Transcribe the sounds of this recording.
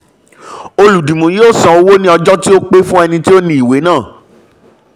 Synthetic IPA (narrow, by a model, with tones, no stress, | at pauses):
o˧lu˨dĩ˨mũ˨joː˦˨sã˨o˧wo˦nĩ˦ɔ˧d͡ʒɔ˦ti˦o˦k͡pe˦fũ˦ɛ˧nĩ˧ti˦o˦nĩ˦i˨we˨˦nãː˦˨